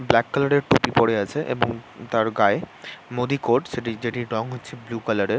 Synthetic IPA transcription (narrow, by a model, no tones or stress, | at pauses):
blɛkːalaɾeɾʈupipoɽeat͡ɕʰeʔḛboŋt̪aɾɡaemod̪ikoɾɖʃeʈid͡ʑeʈiɖɔŋɦotːt͡ɕʰeblukalaɾeɾ